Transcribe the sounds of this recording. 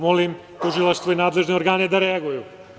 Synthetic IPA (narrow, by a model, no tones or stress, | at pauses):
molim | t̪uʒilˠaʃst̪ʋoinaːd̪le̞ʒneoɾɡaːned̪aɾeaɡuju